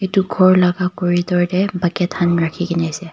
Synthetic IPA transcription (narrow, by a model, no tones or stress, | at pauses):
etuɡʱɔɹlaɡakoɹitɔɹdɛbakɛtʰanɹakʰikiniasɛ